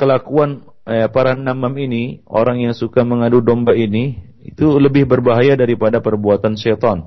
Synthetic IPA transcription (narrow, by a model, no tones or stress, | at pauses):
kəlakuan | paɾanamaminio̰ɾaŋjaŋsukaməŋadudombaini | ḭt̪uləbɪhbərbaɦajadaɾipadapərbuat̪anʃɛt̪ɔn